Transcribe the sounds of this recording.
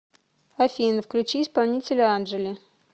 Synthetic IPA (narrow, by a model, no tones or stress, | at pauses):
ɐfʲinfklʲʉt͡ɕiːɪspɐlˠnʲitʲɪlʲəanʐɨlʲɪ